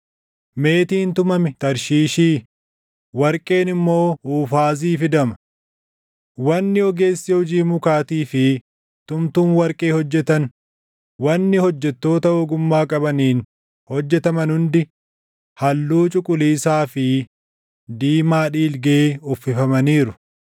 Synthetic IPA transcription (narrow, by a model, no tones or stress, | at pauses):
me̞ːt̪iːnt̪ʊmɐmɪt̪ɐɾʃiːʃiː | wɐɾkʼe̞ːnɪmːo̞ːuːfaːz̬iːfɪd̪ɐmɐ | wɐnːɪɔɡe̞ːsːɪhʊd͡ʒiːmʊkaːt̪iːfɪ | t̪ʊmt̪uːnwɐɾkʼeːhɔd͡ʒːɛt̪ɐn | wɐnːɪhɔd͡ʒːɛt̪ːo̞ːt̪ɐʔʊɡʊmːaːkʼɐbɐniːn | hɔd͡ʒːɛt̪ɐmɐnhʊnd̪ɪ | hɐlːuːt͡ʃʼʊkʼʊliːsaːfɪ | d̪iːmaːᶑiːlɡeːʊfːɪfɐmɐniːɾʊ